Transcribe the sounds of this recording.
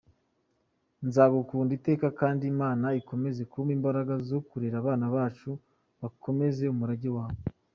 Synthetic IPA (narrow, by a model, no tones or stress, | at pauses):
nzaːɡukuːndite̞ːkakaːndimaːnaiko̞me̞ze̞kumimbaɾaɡazokuɾeɾaβaːnaβaːt͡ʃu | βako̞me̞ze̞umuɾaɟiwaːβe